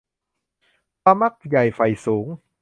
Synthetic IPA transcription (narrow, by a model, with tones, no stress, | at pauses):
pa˧ma˦˥˩k̚ja˨˩jfa˨˩jsuː˩˦ŋ